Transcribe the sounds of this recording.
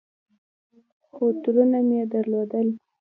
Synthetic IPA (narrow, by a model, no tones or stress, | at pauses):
xot̪uɾunamjed̪aɾlod̪əl